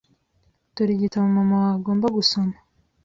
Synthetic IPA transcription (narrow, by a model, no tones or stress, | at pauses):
tuɾiɟitamumamaaɡo̞ːmbaɡusoma